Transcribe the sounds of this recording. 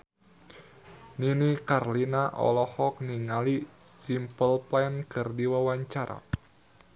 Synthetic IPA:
ninikarlinaʔɔ̰lɔhɔk̚niŋalisimpəlplɛnkɨrdiwawaɲt͡ʃaɾʔa̰

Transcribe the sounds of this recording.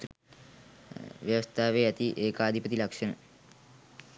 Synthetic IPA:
ʋjɐʋəst̪ʰaːʋeːæt̪iʔeːkaːd̪ʱipət̪ilɐkʂənə̰

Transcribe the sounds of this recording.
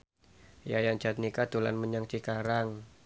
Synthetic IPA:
jajaŋ̥d͡ʒ̥a̤t̪̚nikad̪̥ṳla̰nməɲaŋt͡ʃikaɾaŋ

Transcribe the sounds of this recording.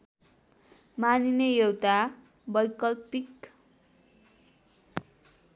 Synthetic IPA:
maninejewt̪a | bʌjkʌlpik

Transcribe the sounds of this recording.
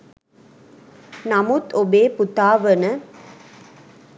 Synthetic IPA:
namut̪ːobeːput̪aːʋənə

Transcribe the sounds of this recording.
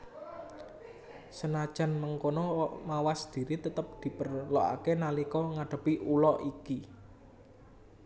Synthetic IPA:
sənad̥ʒ̥ä̤nməŋkonɔmawasd̪̥i̤ɾit̪ət̪əp̚d̪̥i̤pərloʔa̰kenalikɔŋaɖ̥ə̤piʔulɔʔiki

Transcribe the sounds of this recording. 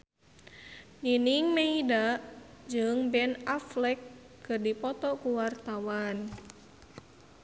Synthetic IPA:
niniŋmeidaʔd͡ʒɨŋbɛnaflɛkː | ɨrdipɔt̪ɔkuwart̪awan

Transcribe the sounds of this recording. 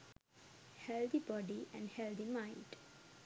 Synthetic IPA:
hɛld̪ibɔɖiæ̰̃ɳɖhɛld̪imãɪ̃nɖ

